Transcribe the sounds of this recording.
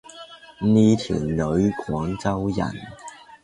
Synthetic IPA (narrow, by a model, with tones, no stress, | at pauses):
niː˥t̪ʰḭː˨˩nlɵ˨˧ɥkʰɔː˨˥ŋt͡sɐ˥wjɐ̰˨˩n